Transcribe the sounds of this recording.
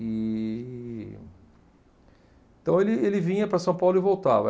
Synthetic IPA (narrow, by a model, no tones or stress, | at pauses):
i | ẽt̪ɐ̃w̃elɪelɪvĩɲɐpɾɐsɐ̃w̃pawlʊɪvowt̪avɐ